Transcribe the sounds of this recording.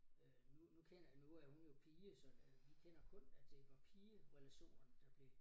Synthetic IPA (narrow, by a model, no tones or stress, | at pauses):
ø | nunukʰen̰ɐjanuæhunjo̝pʰiːəsɒ̽ʋikʰen̰ɐkʰɔ̽næd̥e̝ʋɑ̈pʰiːəʁɛlæɕo̝̰ːnɐnd̥ɑ̈b̥le̝